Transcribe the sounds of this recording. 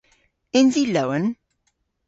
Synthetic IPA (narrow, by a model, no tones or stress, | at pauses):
ɛnziləwən